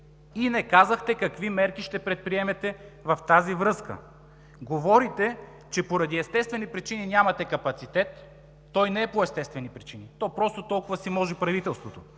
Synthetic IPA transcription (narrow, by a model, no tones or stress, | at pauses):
inɛkazəxt̪ɛkɐkvimɛɾk̟iʃt̪ɛpɾɛt̪̚pɾiɛmɛt̪ɛvɐft̪azivɾɤskə̰ | ɡovɔɾit̪ɛ | t͡ʃɛpoɾɐd̪iɛst̪ɛst̪vɛnipɾit͡ʃininʲjamɐt̪ɛkɐpɐt̪sit̪ɛt̪ː | ɔjnɛɛpoɛst̪ɛst̪vɛnipɾit͡ʃinit̪ɔpɾɔst̪ot̪ɔlˠkʊvɐsimɔʒɛpɾɐvit̪ɛlˠst̪vot̪o